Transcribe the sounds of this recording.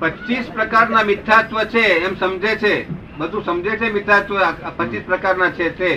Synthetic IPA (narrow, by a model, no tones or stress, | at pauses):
pət͡ʃispɾəkaɾnamit̪ʰːat̪ʋət͡ʃʰeːmsəmd͡ʒet͡ʃʰe | bəd̪ʱũsəmd͡ʒet͡ʃʰemit̪ʰat̪ʋəaapət͡ʃispɾəkaɾnat͡ʃʰet̪e